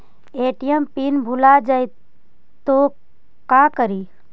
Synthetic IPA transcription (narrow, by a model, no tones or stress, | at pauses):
eːʈijəmpinbʱulad͡ʒaj | t̪o | kakəɾi